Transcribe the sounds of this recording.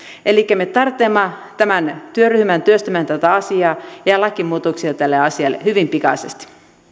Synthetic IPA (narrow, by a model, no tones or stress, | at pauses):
ʔelikːæmet̪ɑrt̪ːˑeːmːɑt̪æmænt̪yøryhmænt̪yøst̪æmænt̪æt̪æɑsiɑːjɑlɑkːˑimuːt̪oksiɑt̪ælːeɑsiɑlːḛhyʋimpikɑ̰sest̪i̥